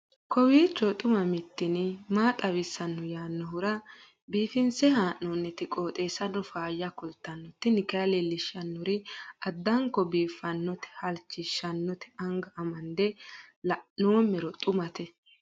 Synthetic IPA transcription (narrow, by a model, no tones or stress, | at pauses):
kɔwiːt͡ʃːɔt̪ʼʊmɐmɪt̪ːɪnɪmaːt̪ʼɐwɪsːɐnːɔjaːnːɔɦʊɾɐ | biːfɪnsɛhaːʔːɔnːɛt̪ɪkʼo̞ːt̪ʼeːsɐnːɔfaːjːɐkʊlt̪ːɐnːɔt̪ːɪnɪkɐɐlɛlɪʃːɐnːɔɾɪɐd̪ːɐŋkɔbiːfːɐnːɔt̪ɛ̥hɐlt͡ʃːɪʃːɐnːɔt̪ʰɛ̥ɐŋɡɐʔɐmɐnd̪ɛlɐʔnoːmːɛɾɔt̪ʼʊmɐt̪ɛ